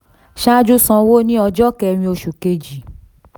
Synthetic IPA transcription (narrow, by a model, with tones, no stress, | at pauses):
ʃa˦d͡ʒu˦sɔ̃˧wo˦nĩ˦ɔ˧d͡ʒɔ˦kɛ˧˨˧ñĩ˧o˧ʃu˨ke˧d͡ʒi˨